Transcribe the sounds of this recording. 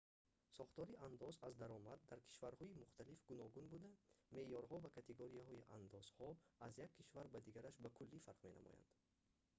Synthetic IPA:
sɔχt̪ɔɾiand̪ɔzazd̪aɾɔmad̪ːaɾkʰi̥ʃvaɾhɔimuχt̪ʰalifɡunɔɡunbud̪ame̞jɔɾhɔvakʰat̪ʰeɡoɾiahɔiʔa̰nd̪ɔz̥hɔazjakʰːiʃvaɾbad̪iɡaɾaʃbakʰulːifaɾqme̞na̰mɔ̰ja̰nd̪̥

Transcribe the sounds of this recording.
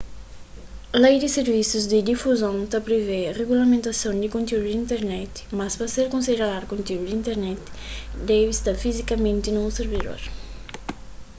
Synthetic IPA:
lejd̪iseɾvisuzd̪id̪ifuzõnt̪apɾevereɣulamẽnt̪asõnd̪ɪkõnt̪euud̪ĩnt̪eɾnɛt̪maspɾɐseɾkõnsid̪eɾalaɾkõnt̪euud̪ĩnt̪eɾnɛt̪d̪ɛvist̪aɾfizikɐmẽnt̪inũseɾvid̪o̰ɾ

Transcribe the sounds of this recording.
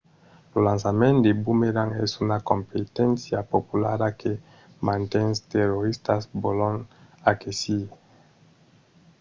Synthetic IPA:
lolãnsamẽnd̪ebumeɾaŋɛ̰sunakompet̪ɛ̃nsjapopula̰ɾake | mãnt̪ɛnst̪eroɾist̪asbolõŋakesi

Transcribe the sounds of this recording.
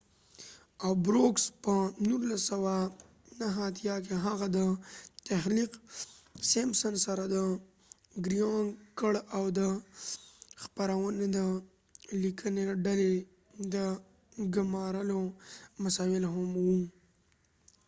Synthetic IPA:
awbɾokspənuɾlasawa | naɦːt̪ʰjɑk̬eɦaɣad̪ət̪ahliq | semsənsaɾad̪ə | ɡɾijɑŋkəɽawd̪ə | xpaɾawəned̪ə | likʰəneɖale | d̪ə | ɡʊmɑɾəlomasɑɪlɦamwu

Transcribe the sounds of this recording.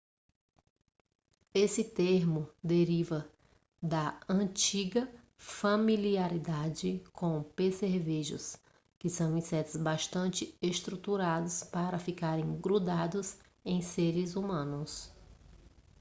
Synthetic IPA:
esɪt̪eɾmʊd̪eɾivɐ | d̪ɐɐ̃t͡ʃiɡɐ | familiaɾid̪ad͡ʒɪkõpeseɾviʒʊ̰s | kɪsɐ̃w̃ĩsɛt̪ʊzbaʃt̪ɐ̃nt͡ʃɪeʃt̪ɾut̪uɾad̪ʊspaɾɐfikaɾẽɡɾud̪ad̪ʊz | ẽj̃seɾɪzumɐ̃nʊs

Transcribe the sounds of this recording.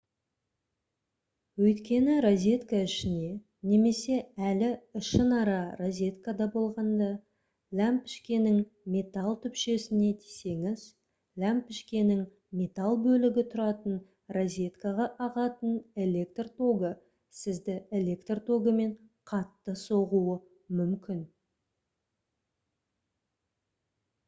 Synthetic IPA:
wɵjt̪kʲe̞nɪɾozʲe̞t̪kaɪʃɪne̞ | ne̞me̞se̞ælɪɪʃənɑɾɑrozʲe̞t̪kad̪ɑbo̞lˠʁɑnd̪ɑ | lʲæmpɪ̥ʃkʲe̞nɪŋmʲe̞t̪ɑlˠt̪ʰʏpʃe̞sɪne̞t̪ʰise̞ŋɪz | lʲæmpɪʃkʲe̞nɪŋ | mʲe̞t̪ɑlˠbɵlɪɡʲɪt̪ʰʊɾɑt̪ən | rozʲe̞t̪kaʁɑʔɑʁɑt̪əne̞le̞k̚t̪rt̪ʰo̞ɡə | sɪzd̪ɪe̞lʲe̞kt̪rt̪ʰo̞ɡəme̞ɴqʰɑt̪ːəso̞ʁuə | mʏmkʲɪn

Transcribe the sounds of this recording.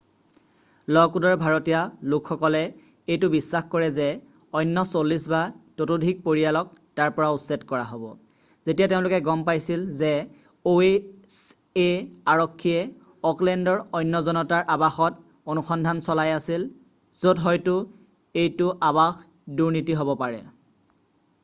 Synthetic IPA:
lɔkudɔɹbʱaɹɔtijalʊkʰxɔkɔlɛ | ejtʊbisːaxkɔɹɛzɛ | ɔjnːɔsolisbatotodʱik̚poɹijalɔk̚taɹpɔɹautsɛtkɔɹaɦobɔ̰ | zetijateʊ̃lʊkɛɡɔmpajsilzɛ | oes | eaɹɔkʰːijɛ | ɔklɛndɔɹɔjnːɔzɔnɔtaɹʔabaxɔt | onuxɔndʱansɔlajasil | z̥odɦɔjtʊ | ejtʊʔabax | duɹnitiɦobɔpaɹɛ̰

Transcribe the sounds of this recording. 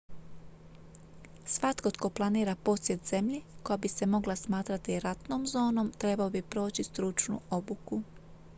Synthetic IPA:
sʋat̪ko̞t̪ko̞plˠaniːɾapo̞sjet̪z̥e̞mʎeko̞jabise̞mo̞ɡlˠasmaːt̪ɾat̪iɾat̪nomzo̞ːno̞mt̪ɾe̞baobipɾo̞ːt͡ɕist̪ɾut͡ʃnṵo̞buku

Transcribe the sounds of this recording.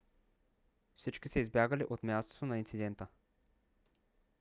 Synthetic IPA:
fsit͡ʃkisɛizbjaɡəliʔot̪mʲjast̪o̥t̪onɐint̪sid̪ɛnt̪ə

